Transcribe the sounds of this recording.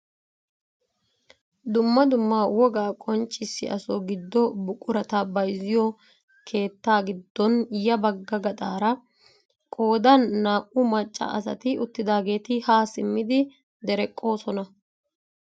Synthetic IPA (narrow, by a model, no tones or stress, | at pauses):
d̪ʊmːɐd̪ʊmːaːwɔɡaːkʼɔnt͡ʃʼːɪsːɪ̰ʔɐ̰sɔɡɪd̪ːɔbʊkʼʊɾɐt̪ɐbɐjzɪjɔ | kʰe̞ːt̪ːaːɡɪd̪ːɔnjɐbɐɡːɐɡɐt̪ʼaːɾɐ | kʼo̞ːd̪ɐnːaːʔʔʊmɐt͡ʃʼːɐ̰ʔɐ̰s̬ɐ̰t̪ɪʊt̪ːɪd̪aːɡe̞ːt̪ɪhaːsɪmːɪd̪ɪ | d̪ɛɾɛkʼːo̞ːsɔnɐ